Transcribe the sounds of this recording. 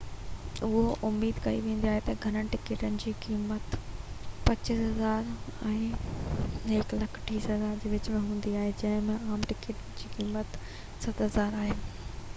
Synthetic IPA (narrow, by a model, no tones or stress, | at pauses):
ʊɦoʔʊmiːd̪kɐiʋẽːn̆d̪iaːɦet̪ɐɡʱɐɾəɽɪʈɪkeːʈənɪ̆d͡ʑiːkiːmət̪ | pɐt͡ɕɪsɦɐzaːɾɛ̃ː | ɦɪklɐkʰʈʰiːsɦɐzaːɾd͡ʑiːʋɪt͡ɕmẽɦũːn̆d̪iaːɦed͡ʑɐ̃ɦɪ̃mẽaːmʈɪkeːʈənɪ̆d͡ʑiːkiːmət̪ | sɐt̪ɦɐzaːɾaːɦeː